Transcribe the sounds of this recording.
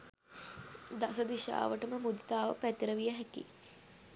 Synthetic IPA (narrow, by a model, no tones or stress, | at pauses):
d̪asəd̪iʃa̰ːʋəʈəməmud̪it̪aːʋə̰pæt̪ːiɾəʋijəɦækḭ